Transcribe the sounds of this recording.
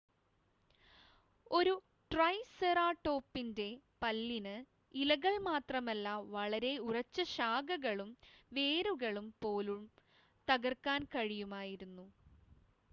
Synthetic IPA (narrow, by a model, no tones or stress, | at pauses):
o̞ɾu | ʈrɐjsɐraːʈːo̞ːpːinde̞pɐlːinɨ | ilɐɣɐɭmaːt̪rɐmɐlːɐʋɐɭɐɾe̞urɐt͡ɕːɐɕaːɡɐɣɐɭumʋe̞ːɾuɣɐɭumpo̞ːlum | t̪ɐɣɐrkːaːnkɐɻijumaːjiɾunːu